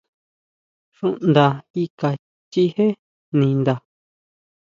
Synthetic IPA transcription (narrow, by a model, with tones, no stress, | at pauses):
ʂũ˦ʔnd̪a˧˨i˦ka˨ | t͡ʃi˦he˦ | nĩ˧nd̪a˨